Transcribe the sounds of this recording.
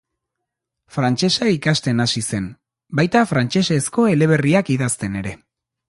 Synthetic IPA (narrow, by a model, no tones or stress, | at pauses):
fɾant͡ʃe̞saikast̪e̞nasise̞n | bajt̪afɾant͡ʃe̞se̞sko̞e̞le̞β̞e̞riakiðast̪e̞ne̞ɾe̞